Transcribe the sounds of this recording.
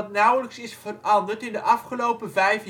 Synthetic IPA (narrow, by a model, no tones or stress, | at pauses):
tnʌwləksɪsfərɑndəɹtɪndəʔɑfχəlowpəvɛjf